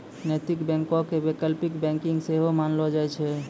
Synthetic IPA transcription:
net̪ikbɛ̃ŋkokebekəlpikbɛ̃ŋkiŋɡseɦomanlɔd͡ʒajt͡ʃʰɛ

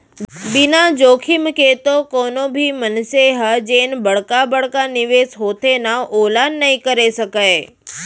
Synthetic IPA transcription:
binad͡ʒokʰimket̪okonobʱimənseɦəd͡ʒenbəɽkabəɽkaniʋesɦot̪ʰenaʔolanːəɦĩkəɾeʃəkae

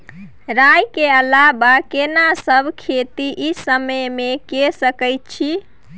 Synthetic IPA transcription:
ɾajkeəlabakenasəbʱkʰet̪iʔisəməjmekesəkəjt̪̚t͡ʃʰi

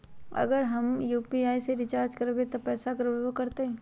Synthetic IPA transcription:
ɐ̰ɡəɾɦɐmjuːpiaːiseɾɪt͡ʃaːɾd͡ʒkɐɾbẽt̪opɛːsakɐɾʋokɐɾt̪eɦɛ̃ː

